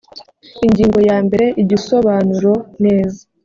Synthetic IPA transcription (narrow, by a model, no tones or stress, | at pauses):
iɲɟiːŋɡo̞jaːmbe̞ɾe̞ʔiɟiso̞βaːnuɾo̞ne̞ːzḁ